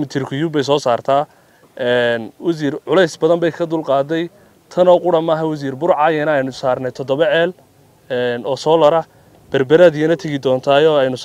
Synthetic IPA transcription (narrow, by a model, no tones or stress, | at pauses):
mɪt̪ʰɪrkʰʊjubɛjs̬ɔːsaːrt̪ʰaː | ʔɛːnwɐs̬iːrʕʊlɛjsbɐðɐmbɛjkʰɐd̪ʊlqɑːd̪ɛj | t̪ʰɐnɔːqʊɽɐmaːɦɐwɐs̬iːrbʊɾʕajɐnɐɛjnʊsaːrnɛjt̪ʰɔd̪ɔβɐʕɛːl | ɛːnɔːsɔːlɐɾɐ | b̥ɐrbɐɾaðijɐnɐt̪ʰɐɣɪd̪ɔːnt̪ʰaːjɔːɛjnʊ